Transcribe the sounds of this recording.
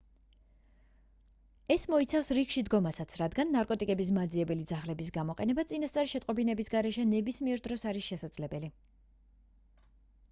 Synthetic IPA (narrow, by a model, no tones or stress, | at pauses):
ɛsmɔit̪sʰafsɾikʃid̪ɡɔmasat̪sʰɾad̪ɡanːaɾkʼɔt̪ʼikʼɛbis̬mad̪ziɛbɛlid̪zaχlɛbisɡamɔqʼɛnɛbat̪sʼinast̪ʼaɾiʃɛt̪ʼqʼɔbinɛbisɡaɾɛʃɛnɛbismiɛɾd̪ɾɔsaɾisʃɛsad̪zlɛbɛli